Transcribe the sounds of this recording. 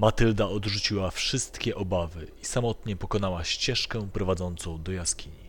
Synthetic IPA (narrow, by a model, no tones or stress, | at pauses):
mat̪ɘld̪aɔd̪ʐut͡ɕiwafʂɘst̪kʲɛʔɔbavɘisamɔt̪ɲɛpɔkɔnawaɕt͡ɕɛʂkɛpɾɔvad̪zɔnt̪sɔ̃w̃d̪ɔjaskʲiɲi